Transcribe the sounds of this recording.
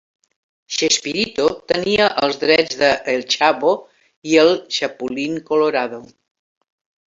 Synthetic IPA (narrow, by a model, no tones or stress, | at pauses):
ʃespiɾit̪ot̪əniəʔəlˠzðɾɛd͡zðəʔelˠt͡ʃaβo | iəlˠʃəpuliŋkoloɾaðo